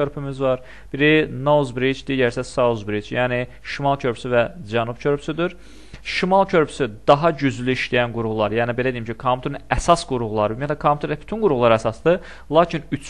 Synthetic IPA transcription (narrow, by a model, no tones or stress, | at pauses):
øɾpʰymyzvɑɾ | b̥iɾinozbɾid͡ʒd̪iːɟæɾsæsazbɾid͡ʒjæːni | ʃimɑlˠcʰø̞ɾpysyvæd͡ʒænubcʰø̞ɾpʰy̥syd̪iɾ | ʃimɑlˠcʰø̞ɾpʰy̥syd̪ɑɦɑɟyzlyiʃlijænɡuɾuɣulˠɑɾjæːnibe̞læd̪eijimcʰikʰomʰut̪ʰɾinæsɑsɡuɾuɣlˠɑɾbynmjæt̪læɛkʰomut̪ʰɾby̥t̪ʰynɡuɾuɣulˠɑɾæsɑsd̪ɯ | lˠɑːcʰinyt͡ʃ